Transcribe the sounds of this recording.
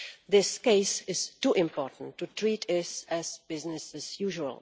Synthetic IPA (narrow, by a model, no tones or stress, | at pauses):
ðɪskeɪsɪz̥tuʔɪ̃mpɔɹʔn̩tːutʰɹitɪsæzb̥ɪznɨsɨzjuʒuə̰lˠ